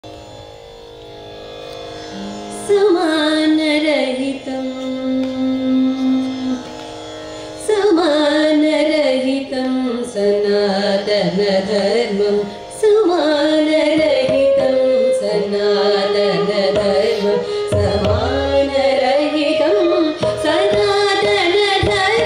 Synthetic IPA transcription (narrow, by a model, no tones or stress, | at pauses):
sɐmanɐɾɐɦit̪ɐm | sɐmaːnɐɾɐɦit̪ɐmsɐnːaːt̪ɐnɐd̪ʱɐɾmɐ | sɐmaːnɐɾɐɦit̪ɐmsɐnːaːnɐd̪ɐd̪ʱɐɾmɐ | sɐmaː | nɐɾɐɦit̪ɐmsɐnaːt̪ɐnɐd̪ʱɐ